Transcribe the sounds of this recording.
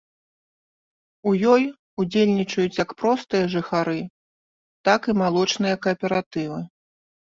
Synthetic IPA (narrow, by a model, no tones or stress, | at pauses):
ujɔj | ud͡zʲelʲnʲit͡ʂɐjut͡sʲjɐkpɾɔst̪ɨjɐʐɨxaɾɨ | t̪akimalˠɔt͡ʂnɨjɐkɐpʲɛɾat̪ɨvɨ